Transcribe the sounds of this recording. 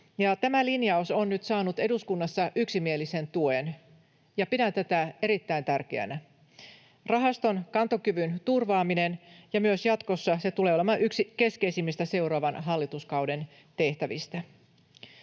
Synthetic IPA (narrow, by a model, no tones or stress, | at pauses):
jɑt̪æmælinjɑusonːyt̪sɑːnut̪e̞duskunːɑsːɑʔyksimielise̞nt̪uen | jɑpidænt̪æt̪æe̞ɾit̪ːæint̪ærkḛæ̰næ | rɑɦɑst̪o̞nkɑnt̪o̞kyʋynt̪urʋɑːmine̞njɑmyøsjɑt̪ko̞sːɑse̞t̪ule̞ːolemɑʔyksike̞ske̞isimːist̪æse̞uɾɑːʋɑnɦɑlːit̪uskɑwde̞n | t̪e̞ht̪æʋist̪æ